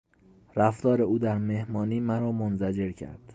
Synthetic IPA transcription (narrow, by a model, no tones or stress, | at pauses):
ɾæft̪ɒːɾe̞uːd̪æɾme̞hmɒːniːmæɾɒːmonzæd͡ʒe̞ɾcʰæ̰ɾd̪̥